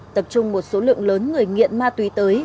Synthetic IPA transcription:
t̪ə˨˩p̚t͡ɕʊ˧ŋ͡mmo˨˩t̚so˨˦lɨ̰˧˨əŋləː˨˦nŋɨ˨˩əjŋḭ˧˨ənmaː˧t̪wi˨˦t̪əː˨˦j

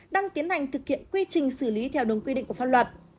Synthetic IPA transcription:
ɗaː˧ŋt̪i˨˦ənha˨˩jŋ̟t̪ʰɨ˨˩k̚hḭ˧˨ənkwi˧t͡ɕï˨˩ŋ̟sɨ˧˩li˨˦t̪ʰɛ˧wɗə˨˩ŋkwi˧ḭ˧˨ŋkfa˧nlwə˨˩t̚

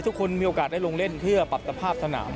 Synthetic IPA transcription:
t̪ʰu˦˥kʰo˧nmiː˧ʔoː˨˧kaː˨˩t̪̚da˥˩jlo˧ŋle˥˩npʰɯ˥˩ɐpa˨˩t̪ːa˧pʰaː˥˩p̚t̪ʰa˧na̰ː˩˦m

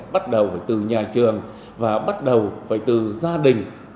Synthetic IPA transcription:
ɓa˦˥t̚ɗə˨˩wvə̰ː˧˨jt̪ɨ˨˩ɲaː˨˩t͡ɕɨ˨˩əŋ | vaː˨˩ɓa˦˥t̚ɗə˨˩wvə̰˧˨jt̪ɨ˨˩zaː˧ɗï˨˩ŋ̟

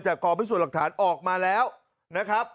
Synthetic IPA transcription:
t͡ɕaː˨˩kɔː˧pʰi˦˥su˨˩t̚la˨˩k̚t̪ʰaː˩˦nʔɔː˨˩k̚maː˧lɛː˦˥w | na˦˥kʰɾa˦˥p̚

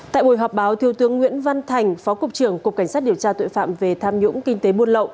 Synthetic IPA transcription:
t̪a̰ː˧˨jɓo˧˩jɦɔː˨˩p̚ɓaː˨˦wt̪ʰi˧əwt̪ɨ˨˦əŋːwḭ˧˥ənva˧nt̪ʰa˨˩jŋ̟fɔ˨˦kʊ˨˩k͡p̚t͡ɕɨ˧˩əŋkʊ˨˩k͡p̚ka˧˩ŋ̟saː˦˥t̚ɗi˨˩əwt͡ɕaː˧t̪o̰˧˨jfa̰ː˧˨mve˨˩t̪ʰaː˧mɲʊ̰˧˥ŋ͡mkï˧ŋ̟t̪e˨˦ɓu˧ənlə̰˧˨w

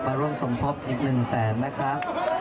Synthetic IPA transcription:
maː˧ɾu˥˩əmso˩˦ŋt̪ʰo˦˥p̚ʔiː˨˩k̚nɯ˨˩ŋsɛː˩˦nːa˦˥kʰɾa˦˥ʔ

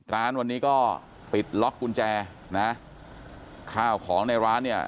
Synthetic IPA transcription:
ɾaː˦˥nwa˧nːiː˦˥kɔː˥˩ | pi˨˩t̪̚lɔ˦˥kʰːu˧nt͡ɕɛː˧ | na˦˥ʔ | kʰaː˥˩wkʰɔː˩˦ŋna˧jɾaː˦˥nːi˥˩ɐ

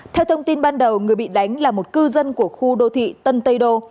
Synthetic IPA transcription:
t̪ʰɛ˧wt̪ʰə˧wŋ͡mt̪i˧nɓaː˧nɗə˨˩wŋɨ˨˩əjɓḭ˧˨ɗa˨˦jŋ̟laː˨˩mo˨˩t̚kɨ˧zə˧nku˧˩əxu˧ɗo˧t̪ʰḭ˧˨t̪ə˧nt̪ə˧jɗo˧

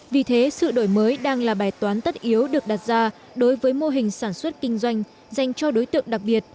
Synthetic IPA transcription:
vi˨˩t̪ʰe˨˦sɨ̰˧˨ɗo˧˩jməː˨˦jɗaː˧ŋlaː˨˩ɓaː˨˩jt̪waː˨˦nt̪ə˦˥t̚ʔi˨˦əwɗɨ˨˩ək̚ɗa˨˩t̚zaː˧ | ɗo˨˦jvəː˨˦jmo˧ɦï˨˩ŋ̟saː˧˩nswə˦˥t̚kï˧ŋ̟zwa˧jŋ̟ | za˨˩jŋ̟t͡ɕɔ˧ɗo˨˦jt̪ɨ̰˧˨əŋɗa˨˩k̚ɓi˨˩ət̚

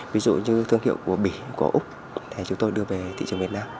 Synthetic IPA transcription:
vi˨˧˦zṵ˧˨ɲɨ˧t̪ʰɨ˧əŋhḭ˧˨əwku˧˩əɓi˧˩kṵ˧˩˦ʔʊ˦˥k͡p̚ | t̪ʰe˨˩t͡ɕʊ˨˦ŋ͡mt̪o˧jɗɨ˧əve˨˩t̪ʰḭ˧˨t͡ɕŋvət̚naː˧m

